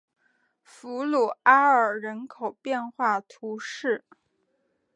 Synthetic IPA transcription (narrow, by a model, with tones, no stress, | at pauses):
fu˧˥lu˨˩a˥ə˞˨˩ɻə˧˥nkʰo˨˩ʊpjɛ˥˧nxwa˥˩t̪ʰu˧˥ʂɻ̩˥˩